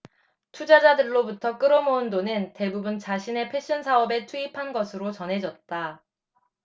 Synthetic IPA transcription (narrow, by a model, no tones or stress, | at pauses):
tʰud͡ʑad͡ʑadɯɭːobutʰʌk͈ɯɾʌmoundonɯnte̞bubunt͡ɕaɕʰine̞pʰe̞ɕ͈ʰʌnsʰaʌbe̞tʰuipʰanɡʌsʰɯɾot͡ɕʌnɦe̞d͡ʑʌt̚t͈a